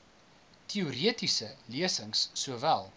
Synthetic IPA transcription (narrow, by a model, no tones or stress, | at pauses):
tʰiuɾiətisəliəsəŋsːuəvælˠ